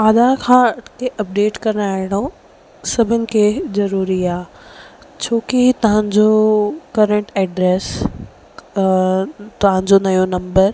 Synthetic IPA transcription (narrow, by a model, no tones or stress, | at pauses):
aːd̪akʰãːɐʈʰkeʔɐp̚ɖeːʈkɐɾnaːɦɪɽ̃õ | sɐbʱɪnɪ̆kʰezɐɾuːɾiaː | t͡ɕʰoːkit̪ɐʋə̃ɲd͡ʑokɐɾə̃ɳʈɛːɖɾeːs | t̪ɐʋãɲd͡ʑonɐjonɐ̃mbəɾ